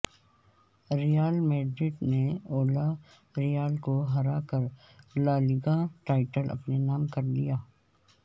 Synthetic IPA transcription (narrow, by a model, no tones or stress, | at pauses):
ɾijaːlmeːɖɾɪʈneoːla | ɾijaːlkoɦɐɾaːkəɾ | laːlɪɡãʈaːɪʈəlʔɐ̰pnenaːmkɐɾd̪ijaː